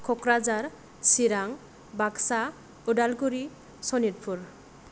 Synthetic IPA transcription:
kʰɔkɾad͡ʒaɾ | siɾaŋ | baksa | uɖalɡuɾi | sɔniɾpʰuɾ

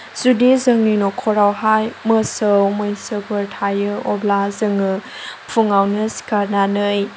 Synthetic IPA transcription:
z̥udezəŋninɔkʰɔɾawɦajməsəwmojnsəbɯɾtʰajɯɔblazɯŋɯpʰuŋawnɯsi̥kaɾnanɯj

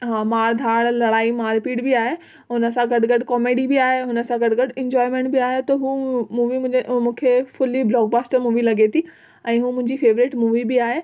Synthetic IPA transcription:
ɦãːmaːɾd̪ʱaːɽlɐɽaːimãːɾɪpiːɽbɪaːɦe | ɦʊnəsãɡɐɖɡɐɖkɔːmeːɖibiaːɦeɦʊnə̆sãɡɐɽɡɐɽɪ̃ɲd͡ʑɔːɪmẽːɳʈbɪaːɦet̪ɐɦuːmuːʋimʊ̃d͡ʑmũːkʰefʊliblɔːɡ̚baːsʈəɾmuːʋilɐɡet̪ʰi | ɛ̃ːɦuːmʊ̃ɦɪ̃ɲd͡ʑifeːʋɾɪʈmuːʋibɪaːɦe

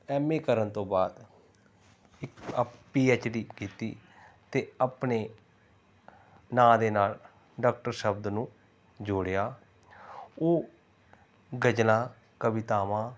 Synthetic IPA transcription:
ɛːmeːkəɾənt̪õːbaːd̪ | ɪkpiːeːt͡ʃɖiːkiːt̪iːt̪eːapneː | nãːd̪eːnaːl | ɖaːk̚ʈəɾʃəbd̪nũː | d͡ʒʊːɽejaː | oː | ɡəd͡ʒlãː | kəʋɪt̪aːʋãː

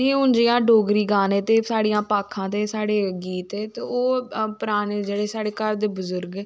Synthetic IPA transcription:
eːʊnd͡ʒijãːɖoːɡɾiːɡaːneːt̪eːsaːɽijãːpaːkʰːãːt̪eːsaːɽeːɡiːt̪eːt̪eoːpəɾaːneːd͡ʒeːɽeːsaːɽeːkəɾd̪eːbəzʊɾɡː

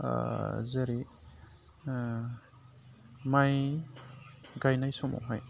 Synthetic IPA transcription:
zaɾi | maj | ɡajnajsɔma̰wɦaj

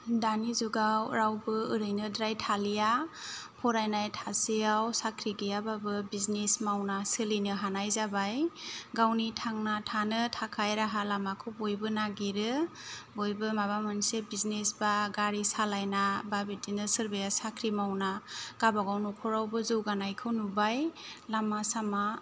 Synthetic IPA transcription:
danizuɡawɾawbɯɯɾɯjnɯdɾajtʰalijapʰɔɾajnajtʰasejawsakʰɾiɡijababɯbiznesmawnasɯlinɯɦanajzabajɡawnitʰaŋnatʰanɯtʰakʰajɾaɦalamakʰɯwbojbɯnaɡiɾɯbojbɯmaβamɯnsebiznesbaɡaɾisalajnababitinɯsɯɾbajasakʰɾimawnaɡ̥abaɡawnɔkʰɔɾawbɯzɯwɡanajkʰɯwnubajlamasama

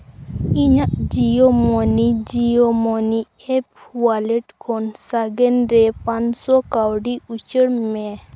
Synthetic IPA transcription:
iɲaʔd͡ʒijɔmɔnid͡ʒijɔmɔni | ɛp̚walɛʈkʰɔnsaɡɛnɾɛpaɲsɔkawɖiut͡ʃəɽmɛ

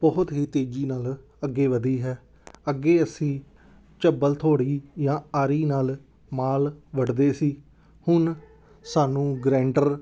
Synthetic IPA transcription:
bəɦʊt̪ɦiːt̪eːd͡ʒiːnaːl | əɡːeːʋəd̪iːɦɛː | əɡːeːəsĩː | t͡ʃəbəlt̪ʰoːɽiːjãːaːɾiːnaːl | maːlʋəɖd̪eːsiː | hʊn | saːnũːɡɾɛ̃ːɳɖəɾ

